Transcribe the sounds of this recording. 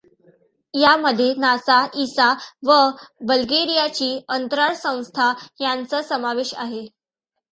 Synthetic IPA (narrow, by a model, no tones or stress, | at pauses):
jaməd̪ʱːjenasaisaʋəbəlɡeɾijat͡ɕiːənt̪ɾaɾsə̃w̃st̪ʰajant͡səsəmaʋeɕa̰ɦe